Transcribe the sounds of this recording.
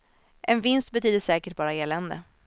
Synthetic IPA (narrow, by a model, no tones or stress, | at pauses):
ʔɛnvɪnst̪̚bɛt̪ʰyːd̪əʂɛːkəʈ̚bɑːɾaeːlɛnd̪ə̰